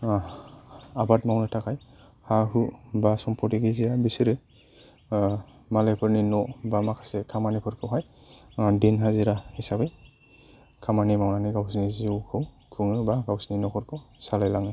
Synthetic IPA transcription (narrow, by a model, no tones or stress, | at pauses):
abatmawnɯtʰakʰaj | haɦubasɔmpʰɔtiɡezijabisiɾɯ | malɛpʰɔɾninɔbamakʰḁsɛkʰamanikʰɔɾkʰɔɦaj | dinɦaziɾahisabɛ | kʰamanimawnaniɡawsnizukʰɯw | kʰuŋɯbaɡawsninɔkʰɔɾkʰɔsalajlaŋɯ